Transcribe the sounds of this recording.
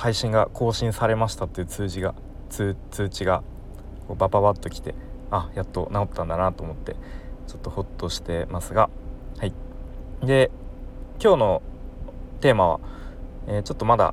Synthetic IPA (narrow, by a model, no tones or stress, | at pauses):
haiɕĩŋɡakʰo̞ːɕĩɰ̃saɾe̞maɕi̥t̪at̪ːe̞jɯ̟t͡sɨːʑiɡa | t͡sɨːt͡sɨːt͡ɕiɡa | ko̞ːbapaβat̪ːo̞kʲi̥t̪e̞ajat̪ːo̞nao̞t̪ːãnd̪anat̪o̞ːmo̞t̪ːe̞̰t͡ɕo̞̥t̪ːo̞ho̞t̪ːo̞ɕi̥t̪e̞masɨɡahai | d̪e̞ | kʲo̞ːno̞ | t̪e̞ːmaβ̞a̰eːt͡ɕo̞t̪ːo̞mad̪a̰